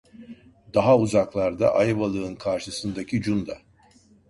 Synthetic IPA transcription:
d̪aɦauzaklˠaɾd̪a̰ʔajβalˠɯɯnkʰaɾʃɯsɯnd̪acʰid͡ʒund̪a

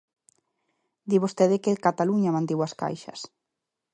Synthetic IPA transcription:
d̪iβost̪eðɪkɪkat̪aluɲamãnt̪ewaska̰jʃɐ̰s

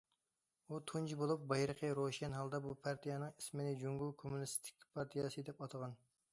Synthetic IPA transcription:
ut̪ʰund͡ʒʰibolˠup̚bɑjɾəqʰəɾoʃɛnɦɑlˠd̪ɑbupʰɑɾt̪ʰijɑnɨŋismɪnɪd͡ʒuŋɡukʰomunɪst̪ʰɪ̥kʲpʰɑɾt̪ʰijɑsɨd̪ɛpɑt̪ʰəʁɑn

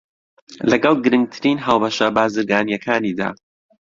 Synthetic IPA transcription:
lɐɡɑlˠɡɨɾɨŋɡ̚t̪ʰɨɾiːnɦaːwbɐʃɐbaːzɨɾɡaːnjɐkʰaːniːd̪a̰ː

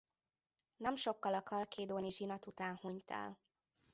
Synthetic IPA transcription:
nɛmʃo̞kːɒlɒkʰɒlkeːd̪oːniʒinɒt̪ut̪aːnhuɲt̪ʰa̰ːl

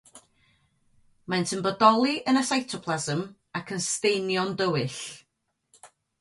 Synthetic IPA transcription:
maɨntʰəmbədɔlˠiʔənasajtʰɔpʰlˠazəm | akʰənstejnjɔndəwɨɬ

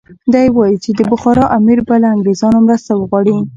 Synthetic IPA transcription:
d̪ajwɑjit͡ʃed̪əbʊxɑɾɑʔamiɾbalaaŋɡɾezɑnomɾəst̪awəɣwɑɽi

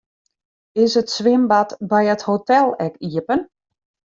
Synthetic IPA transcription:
ɪsətsʋɪmbatbɛjəthotɛlˠɛkiəpən

